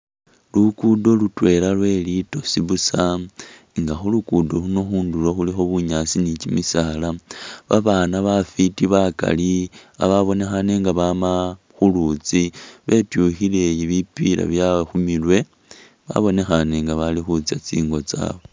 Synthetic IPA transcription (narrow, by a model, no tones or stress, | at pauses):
lukudo̞lutwe̞lalwe̞lito̞siβusa | ŋɡaxulukudo̞luno̞xuːndulo̞xulixo̞βuɲasinit͡ʃimisalaβaβaːnaβafitiβaka̰lia̰βaβo̞ne̞xaneŋɡaβama | xulut͡siβe̞tjuxile̞jiβipila̰βjaxumilwe̞ | βa̰βo̞ne̞xane̞ŋɡaβalixut͡siat͡sḭːŋɡo̞t͡sa̰βo